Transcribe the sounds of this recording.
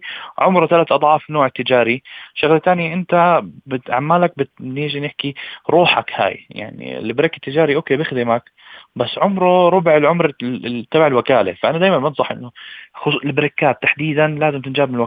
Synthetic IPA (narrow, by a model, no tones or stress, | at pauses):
ʕʊmɾɑt̪alat̪ʔɑd̪ˤʕɑːfnoːʕɪt̪ːɪd͡ʒaːɾiʃaɣlat̪aːnjaʔɪnt̪abɪt̪ʔa̰ʕmːaːlak̚bɪt̪nɪːʒinɪħkiɾˤuːħakha̰ːjja̰ʕnḭlɪbɾɪkːɪ̥t̪ːɪd͡ʒaːɾiʔoːkeːbɪxd̪ɪmak | basːʕʊmɾˤɑɾˤʊbʕɪlʕʊmɾˤt̪ːabaʕɪlwakaːla̰faʔanad̪aːjmanbɑnsˤɑħʔɪ̰nːʊxʊʔlɪbɾɪkːaːt̪ːaħd̪iːd̪anlaːzɪmt̪ɪnd͡ʒaːbmɪnwa